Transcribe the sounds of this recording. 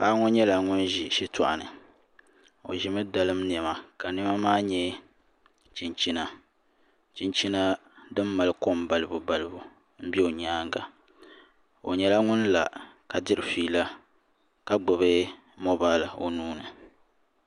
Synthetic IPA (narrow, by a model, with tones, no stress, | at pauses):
ʔa˦ŋɔ˦ɲɛ˦la˨ŋʊ˦nʒi˨ʃi˦tʊ˨ʔa̰˨nɨ̰˨ | o̰˨ʒɪ˨mɨ˦da˨lɨ˦mn˨ɛ˨ma˦ka˨nɪ˦ma˦maː˦ɲɛ˦ | t͡ʃi˨nt͡ʃi˦na˦ | t͡ʃi˦nt͡ʃi˦na˦ | dɨ˦mːa˨lɨ˦ko˦˨mba˨lɨ˦bu˨ba˨lɨ˦bu˨ | m̩˦bi˦o˨ɲaː˦ŋɡa˨ | o̰˨ɲɛ˦la˦ŋʊ˦n˦la̰˨ka˨dɨ˦ɾɨ˨fiː˦la˦ | ka˦ɡ͡bʊ˨βɨ˦ | mo˦baː˦lɨ˨o˦nuː˦nɨ˨